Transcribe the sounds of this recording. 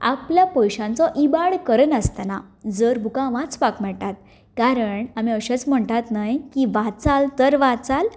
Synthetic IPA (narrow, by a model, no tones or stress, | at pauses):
a̰pljapəjɕãnt͡sɔʔibaɽkəɾənəst̪anad͡zəɾbʱukãʋãt͡spakmɛɭt̪at̪̚ | kaɾəɳamiəɕət͡sm̤əɳt̪at̪najkiʋat͡salt̪əɾʋat͡sal